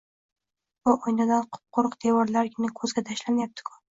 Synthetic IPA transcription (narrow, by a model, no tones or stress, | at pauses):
ʊʔojnad̪anqʰʊ̥p̚qʰoɾqd̪̥ewɒɾlaɾkʲɪnɪkʰɵzɡʲat̪ʰaʃlamajap̚t̪ʰɪ̥kʰʊ̥